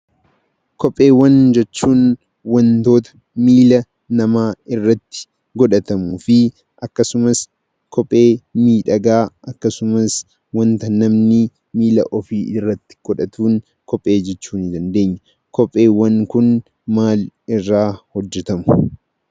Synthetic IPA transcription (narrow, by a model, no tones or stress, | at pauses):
kɔpʼːe̞ːwːɐnd͡ʒɛt͡ʃːuːn | wɐnt̪o̞ːt̪ɐ̥ | miːlɐ | nɐmaːɪrːɐt̪ːɪ̥ | ɡɔᶑɐt̪ɐmuːfɪ | ʔɐkːɐsʊmɐs | kʰɔpʼːe̞ːmiːᶑɐɡaːɐkːɐsʊmɐs | wɐnt̪ɐnɐmnɪ | miːlɐ̰ʔɔfiːɪrːɐt̪ːɪ̥ɡ̥ɔᶑɐt̪uːn | kɔpʼːe̞ːd͡ʒɛt͡ʃːuːnɪd̪ɐnd̪e̞ːɲːɐ | kɔpʼːe̞ːwːɐŋkʊn | maːlɪrːaːhɔd͡ʒːɛt̪ɐmʊ̥